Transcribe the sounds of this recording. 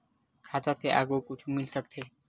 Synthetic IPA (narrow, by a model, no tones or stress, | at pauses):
kʰad̪at̪eʔa̰ɡokut͡ʃʰumilsʰək̚t̪ʰe